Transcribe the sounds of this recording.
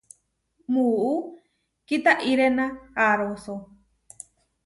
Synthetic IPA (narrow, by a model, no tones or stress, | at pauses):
muu | kit̪aʔiɾenãaɾoso